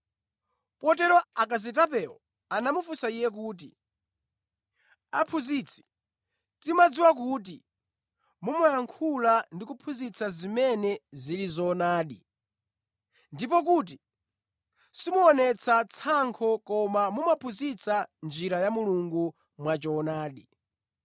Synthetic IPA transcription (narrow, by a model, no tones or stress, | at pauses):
pɔtɛɾɔakaz̬itapɛɔ̰ | anamufusaijɛk̬uːt̬i | apʰuzit͡sʰi̥ | timad͡ziwakuːt̬i | mumajaŋkʰulandikupʰuzit͡sʰazimɛnɛzilizɔːnaːɗi | ndip̬ɔk̬ut̬i | simuɔnɛt͡sʰat͡sʰaŋkʰɔkɔmamumapʰuzit͡sʰand͡ʒiɾajamuluŋɡu | mwat͡ʃɔːnaːɗi